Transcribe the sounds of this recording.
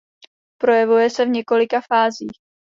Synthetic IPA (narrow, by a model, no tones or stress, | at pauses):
pɾo̞jɛvujɛsɛvɲɛko̞lɪkafaːziːx